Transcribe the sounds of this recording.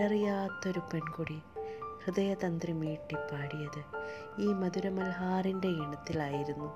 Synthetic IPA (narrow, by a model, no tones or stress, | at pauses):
ɐrijaːt̪ːoɾupenkuɽihrɨðɐjɐðɐnd̪rimiːʈːipːaːɽijɐðɨ | iːmɐðuɾɐmɐlɦaːrinde̞iɳɐt̪ːilaːjiɾunːu